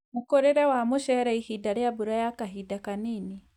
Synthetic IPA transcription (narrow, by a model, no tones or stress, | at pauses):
mukɔɾɛɾawamɔʃɛɾaihidaɾɛjabuɾajakaɦidakanini